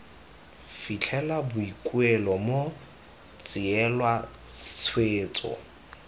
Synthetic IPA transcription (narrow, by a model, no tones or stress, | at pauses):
fit͡ɬʰɛlabʊikʼwɛlɔmo | t͡sʼɪɛlwḁt͡sʰweːt͡sʼɔ̰